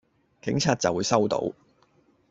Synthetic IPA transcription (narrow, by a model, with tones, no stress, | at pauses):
kɪ˨˥ŋt͡sʰaː˧t̚t͡sɐ˨wːuː˨˧jsɐ˥wt̪o̰˨˧˥w